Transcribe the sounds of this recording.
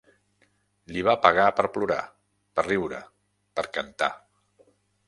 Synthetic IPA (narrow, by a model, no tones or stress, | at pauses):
liβ̞apəɣapəɾpluɾa̰ | pəriwɾə̰ | pəɾkənt̪a̰